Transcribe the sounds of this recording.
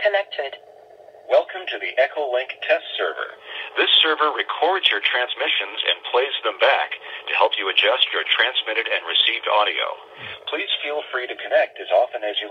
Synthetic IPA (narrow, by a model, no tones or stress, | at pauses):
kʰɨnɛk̚tʰɪd̥ | wɛlˠkʰə̃mtʰɨðiʔɛkʰoʊlɪ̃ŋktʰɛstsɜ̰˞və̰˞ðɪsɜ˞və˞ɹɨkʰɔɹdzjə˞tʰɹ̥æ̃nzmɪʃɨ̃nzɨ̰̃npʰl̥eɪzðə̃mbæktʰɨhɛlˠpjɨɨd͡ʒʌst͡ʃə˞tʰɹ̥æ̃nzmɪɾɨɾɨ̃nɹɨsivdɑ̰ɾio̰ʊ | pʰl̥iz̥filˠfɹiɾɨkʰɨnɛk̚tɨzɑfɨ̃nɨzjɨ